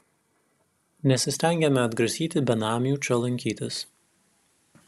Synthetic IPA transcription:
nʲɛsʲɪsʲt̪ʲɛˑŋʲɡʲɛmʲɛɐd̪ɡɾɐsʲiːt̪ʲɪbʲɛnɑːmʲjuːt͡ʃʲɔlˠɐŋʲkʲiːt̪ʲɪs

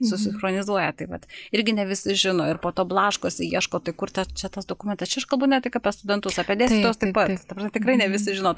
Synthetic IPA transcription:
sʊsʲɪnxɾoːnʲɪzuɔjɛt̪ɐɪʋɐt̪ɪɾʲɡʲɪnʲɛʋʲɪsʲɪʒʲɪnoːɪrpoːt̪oːblˠɑːʃkoːsʲɪjiɛʃkoːt̪ɐɪkʊrt̪ʲɛt͡ʃʲɛt̪ɐsd̪oːkʊmʲɛnt̪ɐst͡ʃʲɛɐʃkɐlˠbʊnʲɛtt̪ʲɪkɑːpʲiɛst̪ʊd̪ʲɛnt̪ʊsɑːpʲɛd̪ʲeːsʲɪt̪ost̪ɐɪpɐt̪t̪ɐprɐsmʲɛt̪ʲɪkɾɐɪnʲɛʋʲɪs̬ʲɪʒʲɪnoː

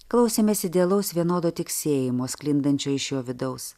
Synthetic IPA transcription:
klˠɐʊsʲeːmʲeːsʲɪd̪ʲɛɐlˠɐʊsʋʲiɛnoːd̪oːt̪ʲɪksʲeːjɪmoːsklʲɪnd̪ɐnʲt͡ʃʲoːɪʃjoːʋʲɪd̪ɐʊs

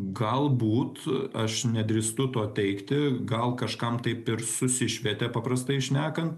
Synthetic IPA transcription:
ɡɐlˠbuːt̪ɐʃnʲɛd̪ʲɾʲist̪ʊt̪oːt̪ʲɛɪkt̪ʲɪɡɐlˠkɐʃkɐmt̪ɐɪpɪɾsʊsʲɪʃʲʋʲɛt̪ʲepɑːpɾɐst̪ɐɪʃʲnʲæːkɐnt̪

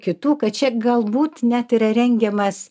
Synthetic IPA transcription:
kʲɪt̪uːkɐtt͡ʃʲɛɡɐlˠbuːt̪nʲæt̪iɾɐɾʲɛŋʲɡʲɛmɐs

